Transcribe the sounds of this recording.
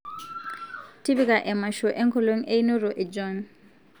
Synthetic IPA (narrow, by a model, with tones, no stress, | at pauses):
ti˦βi˦kʼa˨ʔɛ˨ma˨ʃɔ˨ʔɛ˦ŋkʰɔ˦lwe˦ŋ̩˦ʔe˦i˦no˦rɔ˨ʔɛ˨d͡ʒɔ˦n